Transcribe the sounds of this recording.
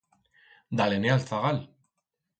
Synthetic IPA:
d̪alenealt͡saɣal

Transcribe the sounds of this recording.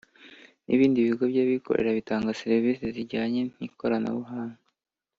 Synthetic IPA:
nḭβiːndiβiɡo̞bɟaβikʰo̞̰ɾʔe̞̰ɾaβitaːŋɡaseɾviːseziɟaːɲe̞n̥hiko̞ɾana̰βuɦaːŋa

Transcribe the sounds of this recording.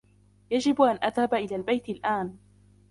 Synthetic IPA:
jad͡ʒɪbʔanʔaðhabaʔɪlaːlbajt̪ɪlʔaːn

